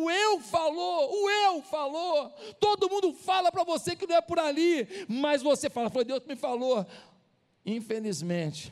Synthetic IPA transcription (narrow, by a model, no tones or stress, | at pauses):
ʊewfaloʊewfalot̪od̪ʊmũnd̪ʊfalɐpɾɐvosekɪnɐ̃w̃ɛpʊɾalimɐzvosefalɐfojd̪ewskɪmɪ̃falo | ĩfelizmẽt͡ʃɪ̥